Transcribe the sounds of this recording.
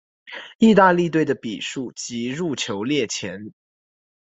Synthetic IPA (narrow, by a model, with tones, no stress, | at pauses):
i˥˧t̪a˥˧li˥˧t̪we˥˩ɪd̪ə˩pḭ˨˩ʂu˥˩t͡ɕi˧˥ɻu˥˩t͡ɕʰjo˧˥ʊljɛ˥˩t͡ɕʰjɛ˧˥n